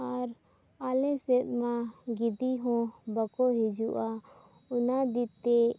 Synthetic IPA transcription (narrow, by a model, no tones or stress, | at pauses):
aɾ | alɛ̃sɛt̪mãɡid̪iɦɔ̃bəkɔɦid͡ʒuʔa | ʊnad̪it̪e